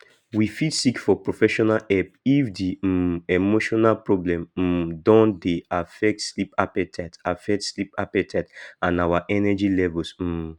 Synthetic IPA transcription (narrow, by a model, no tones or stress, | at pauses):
wifitsikfɔpɹofɛʃɔnalʔɛpifdiemoʃɔnalpɹɔblɛ̃m̩dɔ̃ndeafɛk̚tslipapɛtʰɛtafɛk̚tslipapɛtʰɛtãnawaʔɛnɛd͡ʒilɛvɔs̩